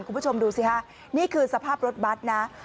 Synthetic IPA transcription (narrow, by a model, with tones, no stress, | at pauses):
nkʰuː˧˨pʰt͡ɕʰo˧mduː˧si˦˩kʰa˦˥ | niː˥˩kʰɯː˧sa˧pʰaː˥˩p̚ɾo˦˥t̪̚ba˦˥t̪̚na˦˥